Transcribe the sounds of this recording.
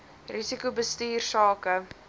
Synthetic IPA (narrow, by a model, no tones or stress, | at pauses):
risikubəstiːrsɑːkə